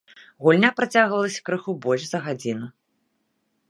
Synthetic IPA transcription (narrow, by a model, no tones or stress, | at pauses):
ɣulʲnʲapɾat͡sʲaɣvɐlˠɐsʲɐ̥kɾɨxubɔlʲʂzɐɣad͡zʲinɨ